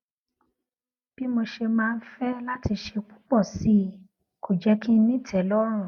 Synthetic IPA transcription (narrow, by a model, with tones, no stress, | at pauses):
b̥i˦mo˧ʃe˧mãː˦˧n̩˦fɛ˦la˦ti˧ʃe˧k͡pu̥˦k͡pɔ˦˨si˦ | ko˨d͡ʒɛ˦kĩ˦nĩ˦tʰɛ˨˦lɔ˦ɾ̃ũ˦˨